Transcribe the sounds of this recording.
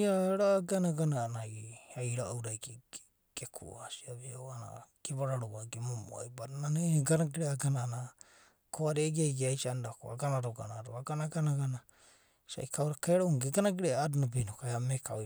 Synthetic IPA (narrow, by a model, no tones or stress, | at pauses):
aɾaɡanaɡanaːnaɡiajɾaowɾajk | ɡ̥ekʰṵasiaβiawana̰ɡ̥eβaɾaɾoaɡemomo̰a̰jbaɾnaneɡanaɡiɾeaɡanaːna | koaɾeaɡajɡiajsandako̰a̰ɡanaɾoɡa̰naɾoaɡanaɡanaɡana | sa̰ikʰawɾakeɾauŋɡeɡanaɡiɾeadunabenokajamekʰao